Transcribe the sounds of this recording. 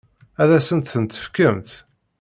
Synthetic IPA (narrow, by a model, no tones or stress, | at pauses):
æðæsənt̪θənt̪ə̥fkəmt̪